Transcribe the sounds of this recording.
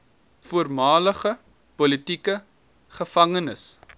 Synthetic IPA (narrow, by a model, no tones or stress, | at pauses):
fuərmɑːləχə | pɔlitikə | χəfɐŋənəs